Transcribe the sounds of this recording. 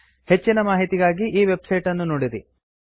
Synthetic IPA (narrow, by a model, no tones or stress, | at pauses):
he̞t͡ʃːinɐmaːɦit̪iɡaːɡiʔiːʋe̞bsɐjʈɐnːunoːɽiɾi